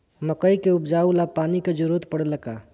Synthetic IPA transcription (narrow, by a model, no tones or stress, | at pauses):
məkəjkeupd͡ʒaulapaniked͡ʒuɾut̪pəɽələka